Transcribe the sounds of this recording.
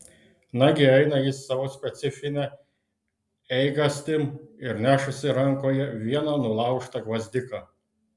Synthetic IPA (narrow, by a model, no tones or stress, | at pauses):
nɑɡʲɪɛɪnɐjɪsːɑʋoːsʲpʲɛt̪sʲɪfʲɪnʲɛ | ɛɪɡɐsʲt̪ʲɪmɪɾnʲæːʃʊsʲɪɾɐŋkoːjɛʋʲiɛnɐnʊlˠɑˑʊʃt̪ɐɡʋɐzʲd̪ʲɪkɐ